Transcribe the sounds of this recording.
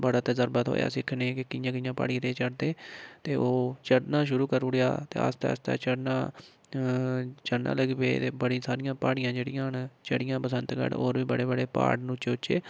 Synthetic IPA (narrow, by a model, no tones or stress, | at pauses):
bəɽaːt̪eːzəɾbət̪ɦo̰ːja̰ːsɪkʰːneːkɪkɪjãːkɪjãːpa̰ːɽĩːt̪eːt͡ʃəɽd̪eːt̪eːoːt͡ʃəɽnãːʃʊɾuːkəɾʊɽeja̰ːt̪ḛːə̰st̪ɛ̰ːəst̪ɛ̰ːt͡ʃəɽnãː | t͡ʃəɽna̰ːləɡbḛːt̪eːbəɽisaːɾɪjãːpaːɽɪjãːd͡ʒeːɽɪ̃jãːɦənt͡ʃəɽɪjãːpəsənt̪kə̰ɖoːɾʋiːbəɽeːbəɽeːpa̰ːɽnũt͡ʃeːʊt͡ʃḛː